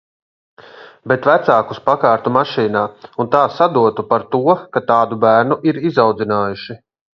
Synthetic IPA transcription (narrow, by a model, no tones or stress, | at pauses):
bet̪væt̪saːkuspakaːɾt̪umaʃiːnaːunt̪aːsad̪uɔt̪upaɾt̪uɔkat̪aːd̪ubæːɾnuʔiɾizawd̪zinaːjuʃi